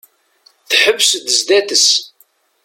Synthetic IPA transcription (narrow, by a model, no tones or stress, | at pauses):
θħəbːsd̪əzd̪æθəs